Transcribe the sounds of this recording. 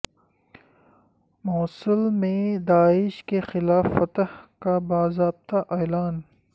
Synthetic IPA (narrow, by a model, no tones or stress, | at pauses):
mɔːsɪlmẽd̪aːɪʃkexɪlaːfːɐt̪hkabaːzɾaːb̚t̪aʔeːlaːn